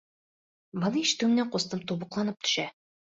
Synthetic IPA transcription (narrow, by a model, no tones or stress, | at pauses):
mɤ̆niiʃt̪ʉmɘ̆næɴqust̪ɤmt̪uβɤ̆qlˠɑnɤp̚t̪ʰɵ̥̆ʃæ